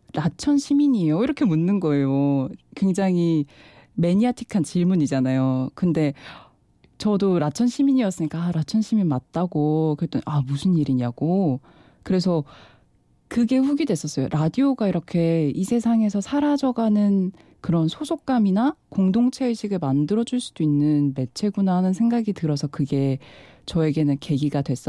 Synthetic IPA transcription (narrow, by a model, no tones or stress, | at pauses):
ɾat͡ɕʰʌnɕʰimiɲijoiɾʌkʰe̞munːɯnɡʌe̞jokwe̞ŋd͡ʑaŋi | me̞ɲiatʰi̥kʰant͡ɕiɭmuɲid͡ʑanajokɯnde̞ | t͡ɕʌdoɾat͡ɕʰʌnɕʰimiɲiʌs͈ɯɲik͈aːɾat͡ɕʰʌnɕʰiminmat̚t͈aɡokɯɾet͈ʌnʔamusʰɯniɾiɲaɡ̥o | kɯɾe̞s̬ʰʌ | kɯɡe̞ɸuɡidwe̞s͈ʌs͈ʌjo̰ɾʔadioɡaiɾʌkʰe̞isʰe̞sʰaŋe̞sʰʌsʰaɾad͡ʑʌɡanɯn | kɯɾʌnsʰosʰok̚k͈aminakoŋdoŋt͡ɕʰe̞ɕʰiɡɯɭmandɯɾʌd͡ʑuɭs͈ud̥oinːɯnme̞t͡ɕʰe̞ɡunanɯnsʰe̞ŋɡaɡitɯɾʌsʰʌkɯɡe̞t͡ɕʌe̞ɡe̞nɯnke̞ɡiɡadwe̞s͈ʌ